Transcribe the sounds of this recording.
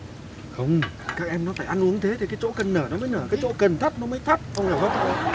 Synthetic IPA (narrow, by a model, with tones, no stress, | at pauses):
xə˧wŋ͡m | kaː˦˥k̚ʔɛ˧mnɔ˨˦faː˧˩jʔa˧nʔu˨˦əŋt̪ʰe˨˦t̪ʰi˨˩kaː˨˦jt͡ɕo̰˧˥kə˨˩nːəː˧˩nɔ˨˦məː˨˦jnəː˧˩kaː˨˦jt͡ɕo̰˧˥kə˨˩nt̪ʰə˦˥t̚nɔ˨˦məː˨˦jt̪ʰə˦˥t̚ʔə˧wŋ͡mŋa˨˩wzɔ˨˦˥o˧˨